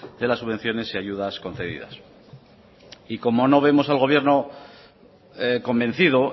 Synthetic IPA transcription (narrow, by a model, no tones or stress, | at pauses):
d̪̥e̞lasːuβe̞n̟θjo̞ne̞siaʝuð̞asko̞nθe̞ðḭða̰s | iko̞mo̞no̞β̞e̞mo̞salɣ̞o̞β̞je̞ɾno̞ | ko̞mbe̞nθið̞o